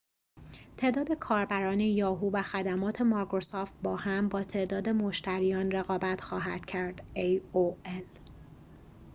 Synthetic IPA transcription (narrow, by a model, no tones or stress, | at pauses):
t̪ʰe̞ːʔd̪ɒːd̪e̞kʰɒːɾbæɾɒːne̞jɒːɦuːvæxæd̪æmɒːt̪ʰe̞mɒɾkɾosɒːft̪̚bɒːhæmbɒːt̪ʰe̞ːʔd̪ɒːd̪e̞moʃt̪æɾijɒːnreɣɒːbæt̪xɒːɦæd̪̥cʰæɾd̪̥ejoel